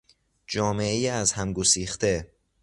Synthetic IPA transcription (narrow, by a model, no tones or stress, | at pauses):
d͡ʒɒːme̞ejiæzhæmɡosiːxt̪e